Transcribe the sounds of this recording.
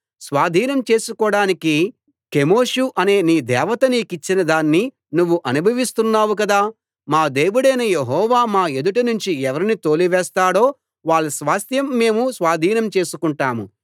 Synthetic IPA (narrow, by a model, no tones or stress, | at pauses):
sʋaːd̪ʱiːnɐmt͡ʃe̞ːsukɔːɽaːniki | ke̞mo̞ːʂuʔɐne̞ːniːd̪ɛːʋɐt̪ɐniːkit͡ʃːinɐd̪aːnːi | nuʋːuʔɐnubʱɐʋist̪unːaːwuk̬ɐd̪aː | maːd̪e̞ːʋuɽɐjnɐjeɦɔːʋaːmaːed̪uʈɐnuɲt͡ʃiɛʋɐɾinit̪o̞ːliʋɛːst̪aːɽo̞ː | ʋaːɭːɐsʋaːst̪jɐmːe̞ːmusʋaːd̪ʱiːnɐmt͡ʃe̞ːsukuɳʈaːmu